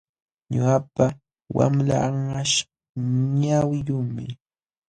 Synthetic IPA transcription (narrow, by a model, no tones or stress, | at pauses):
ɲʊɢapa | wa̰mlaːŋaʃ | ɲawjʊŋmɪ